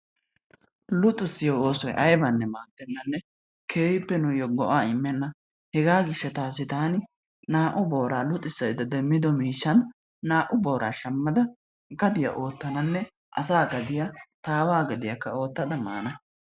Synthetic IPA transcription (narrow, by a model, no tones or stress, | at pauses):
lʊt̪ʼːʊsːɪjooːsɔjʔɐjbɐnːɛmaːd̪ɛnːɐnːɛ | kʰeːwɪpːɛnʊjɔɡɔʔaːɪmːɛnːɐ | hɛɡaːɡɪʃːɐt̪aːsːɪt̪aːnɪ | naːʔʊbo̞ːɾaːlʊt̪ʼːɪsːɐjɪd̪ɐd̪ɛmːɪd̪ɔmiːʃːɐnː | aːʔʊboːɾʔa̰ːʃɐmːɐd̪ɐ | ɡɐd̪ɪjɐ̰ʔo̞ːt̪ːɐnɐnːɛ | ʔɐsaːɡɐd̪ɪjɐt̪aːwaːɡɐd̪ɪjɐkːɐo̞ːt̪ːɐd̪ɐma̰ːnɐ